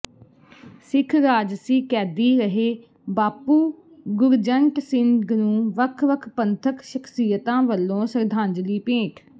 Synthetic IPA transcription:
sɪkʰɾaːd͡ʒsiːkɛːd̪iːɾəɦeː | baːpuː | ɡʊɾd͡ʒəɳʈsɪŋɡnũːʋəkʰʋəkʰpənt̪ʰəkʃəkʰsiːjət̪ãːʋəlːõːsəɾd̪ʱãːnd͡ʒliːpẽːʈʰ

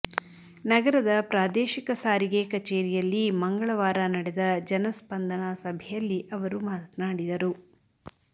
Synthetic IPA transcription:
nɐɡɐɾɐd̪ɐpɾaːd̪eːʃikɐsaːɾiɡekɐt͡ʃeːɾijɐlːimɐŋɡɐɭɐʋaːɾanɐɽɛd̪ɐd͡ʒɐnɐspɐnd̪ɐnasɐbʱɛjɐlːiʔɐʋɐɾumaːt̪naːɽid̪ɐɾu

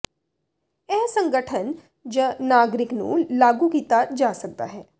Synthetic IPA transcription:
ɛːsə̃ŋɡəʈʰən | d͡ʒənaːɡɾɪknṵ̃laːɡukiːt̪ad͡ʒaːsək̚d̪a̰ːɦɛː

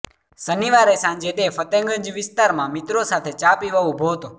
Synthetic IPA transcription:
səniʋaɾesãɲd͡ʒed̪efət̪ẽŋɡənd͡ʒʋɪst̪aɾmãmit̪ɾosat̪ʰet͡ʃapiʋaũbʱot̪o

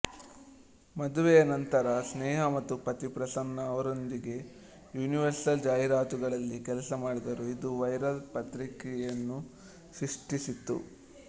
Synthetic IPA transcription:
mɐd̪uʋɛjɐnɐnt̪ɐɾɐsnɛːɦɐmɐt̪ːupɐt̪ipɾɐsɐnːɐːʋɐɾo̞nd̪iɡe̞ | juːniʋɐɾsɐld͡ʒaːjiɾaːt̪uɡɐɭɐlːikɛlɐsɐmaːɽid̪ɐɾuid̪uʋɐjɾɐlpɐt̪ɾikɛjɐnːu | sɾiʂʈisit̪ːṵ

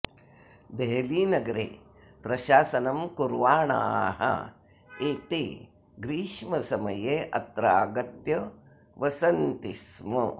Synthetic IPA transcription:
d̪eɦliːnɐɡɐɾḛː | pɾɐʃaːsɐnɐmkuɾʋaːɳa̰ːɦɐ̰ | et̪ḛ | ɡɾiːʂmɐsɐmɐjeːʔɐt̪ɾaːɡɐt̪jɐ | ʋɐsɐnt̪ismɐ

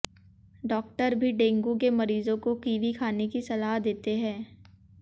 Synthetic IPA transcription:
ɖɔːk̚ʈəɾbʱiɖẽːŋɡuk̬emɐɾiːzõkokiːʋikʰaːnekisɐlaːɦd̪eːt̪eɦɛ̃ː

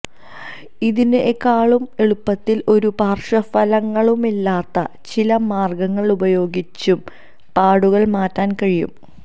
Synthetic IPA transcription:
iðinʔekːaːɭume̞ɭupːɐt̪ːilʔo̞ɾupaːrʂɐfɐlɐŋːɐɭumilːaːt̪ːɐt͡ɕilɐmaːrɡɐŋːɐɭubɐjo̞ːɡit͡ɕːum | paːɽuɣɐɭmaːtːaːnkɐɻijṵm

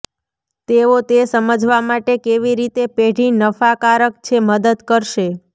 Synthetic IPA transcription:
t̪eot̪esəməd͡ʒʱʋamaʈekeʋiɾit̪epeɽinəfakaɾək̚t͡ʃʰeməd̪əd̪kəɾʃe

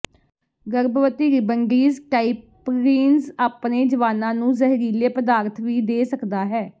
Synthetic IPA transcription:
ɡəɾbʋət̪iːɾɪbəŋɡiːzʈaːip | ɾiːnsaːpneːd͡ʒəʋaːnãːnũːzəɦɾiːleːpəd̪aːɾt̪ʰʋiːd̪eːsəkd̪aːɦɛː

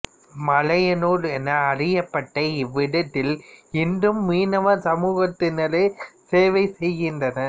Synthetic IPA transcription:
mɐlɐjɐnoːɾɛnːɐːɽɪjɐpːɐʈːɐɪʋːɪɽɐt̪ːɪlɪndɯmːiːnɐʋɐsɐmuːɣɐt̪ːɪnɐlɐɪseːʋɐɪsɛjɣɪndrɐnɐ

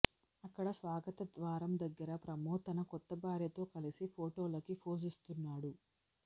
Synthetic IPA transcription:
ɐkːɐɽɐsʋaːɡɐt̪ɐd̪ʋaːɾɐmd̪ɐɡːɐɾɐpɾɐmɔːt̪ɐnɐkɔt̪ːɐbaːɾjɐt̪o̞ːkɐlisipʰoːʈoːlɐkipʰoːs̬ist̪unːaːɽu

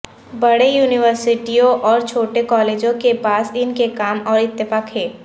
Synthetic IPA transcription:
bɐɽejuːnɪʋəɾsɪʈijõʔɔːɾt͡ʃʰoːʈekɔːleːd͡ʒõkepaːsɪnkekaːmɔːɾɪt̪ːəfaːkɦɛː

